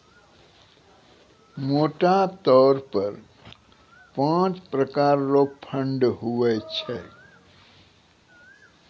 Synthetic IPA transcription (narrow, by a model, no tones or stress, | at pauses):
moːʈat̪ɔːɾpəɾ | pãːt͡ʃpɾəkaːɾːopʰə̃ɳɖɦuʋɛt͡ʃʰɛ